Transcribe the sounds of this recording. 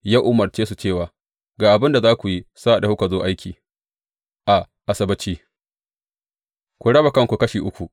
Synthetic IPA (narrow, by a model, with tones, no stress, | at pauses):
jaː˦ʔʊ˦mɐ˨rt͡ʃeː˦su˨t͡ʃeː˦˨waː˨ | ɡaː˨ʔa˨bɪ˦nda˨zaː˦kʷu˨ji˦sa˦ʔda˨hu˦ka˨zoː˦ʔa˦jkʲiː˨ | ʔa˨ | ʔa˨sɐ˦bɐ˦t͡ʃiː˦ | kʷu˨ɽɐ˦ba˨kɐ˦˨ŋkʷu˨kɐ˦ʃiː˨ʔʊ˦kʷu˨